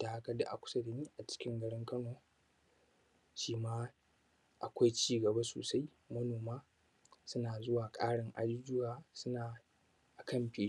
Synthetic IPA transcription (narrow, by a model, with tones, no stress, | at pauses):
taː˨ha˦kɐ˦da̰˨ʔa̰˨kʷʊ̥˦sɐ˦da˨niː˦ʔa˨t͡ʃɪ̥˦kʲɪ˦ŋɡɐ˨ɽɪ˦ŋkɐ˦noː˨ | ʃiː˦maː˦ | ʔa˨kʷa˦jt͡ʃiː˦ɡɐ˨ba˦so̰ː˨sa˦j | mɐ˦noː˨maː˦ | sʊ˦naː˨zʊ˦waː˨kʼaː˦ɽɪ˨ŋʔa̰˦d͡ʒu˦d͡ʒʊ˦waː˨sʊ˦naː˨ | ʔa˨kʰɐ˦˨mɸeː˨˦